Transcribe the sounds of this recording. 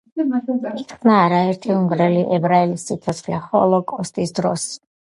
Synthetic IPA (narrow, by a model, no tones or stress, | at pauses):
t̪naːɾaɛɾt̪ʰiuŋɡɾɛliʔɛbɾaɛlisːit̪ʰɔt̪sʰχlɛχɔ̰lˠɔkʼɔst̪ʼisd̪ɾɔs